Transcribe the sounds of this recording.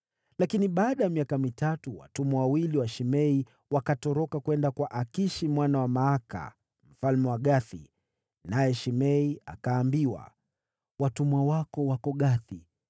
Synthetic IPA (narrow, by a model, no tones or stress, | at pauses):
lakiniɓaːɗajamiakamitatuwa̰tumawawiliwaʃimɛi | wakatɔɾɔkakwɛndakwaʔakiʃimwanawamaaka̰ | m̩falmɛwaɠaθḭ | najɛʃimɛia̰kaːmbiwa̰ | watumwawakɔwakɔɠaθi